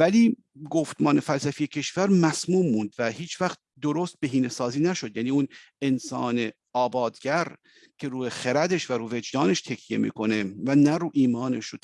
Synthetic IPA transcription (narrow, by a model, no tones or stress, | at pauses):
væliː | ɡoft̪mɒːnefælsæfijecʰe̞ʃvæɾmæsmuːmːund̪væhiːt͡ʃʰvæxt̪̚ | d̪oɾoːst̪̚be̞ɦiːnesɒːziːnæʃo̞d̪jæniːun | ensɒ̰ːne | ɒːbɒːd̪ɡæɾ | cʰe̞ɾuːexeɾæd̪eʃvæɾuːve̞d͡ʒd̪ɒːne̞ʃt̪ʰecʰje̞̰mḭːko̞ne̞vænæɾuːʔiːmɒːneʃo